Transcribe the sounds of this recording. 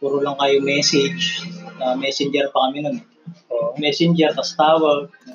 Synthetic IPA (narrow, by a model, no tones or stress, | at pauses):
pʊɾʊlaŋkaːjʊmɛːsɪd͡ʒamɛsɪnd͡ʒɛɾpɐkɐmɪnʊn | ʔomɛsɪnd͡ʒɛɾt̪ɐst̪aːwɐɡ̚